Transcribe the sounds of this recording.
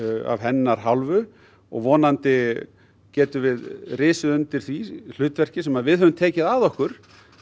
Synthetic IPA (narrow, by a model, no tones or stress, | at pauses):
a̰vɦɛnːaɾ̥ɦawlvʏ | ɔ̰ɣvɔːnant̪ɪ | cɛːt̪ʏvɪðrɪːsʏðʏnt̪ɪɾ̥θvil̥ʏːt̪vɛr̥cɪsɛmaðvɪðhœvʏmt̪ʰeːcɪðaðɔhkʏɾ̥